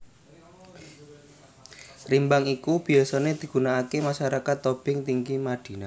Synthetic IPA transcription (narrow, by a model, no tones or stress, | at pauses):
rimbaŋikub̥i̤asɔned̪̥i̤ɡ̥ṳnaakemaʃaɾakat̪ːob̥ɪŋt̪iŋɡimaɖ̪̥i̤na